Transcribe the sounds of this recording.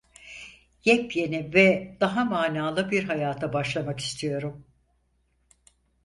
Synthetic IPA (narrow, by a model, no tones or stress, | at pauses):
jɛpje̞nivɛd̪̥aɦamaːnaːlˠɯbiɾɦajaːt̪ʰabaʃlˠamaki̥st̪ʰijo̞ɾum